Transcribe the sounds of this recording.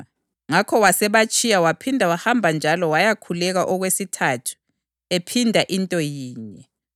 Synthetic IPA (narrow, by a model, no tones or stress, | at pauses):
ŋakʰɔwasɛβat͡ʃʼijawapʰindʱawahambʱand͡ʒʱalɔwajakʰulɛɣaʔɔɣwesitʰatʰu̥ | epʰindʱaʔintʼɔjiːɲɛ